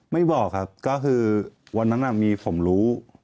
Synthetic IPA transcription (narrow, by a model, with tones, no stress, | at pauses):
ma˥˩jbɔː˨˩k̚ʰa˦˥p̚kɔː˥˩kʰɯː˧wa˧nːa˦˥nʔa˨˩miː˧pʰo˩˦mɾuː˦˥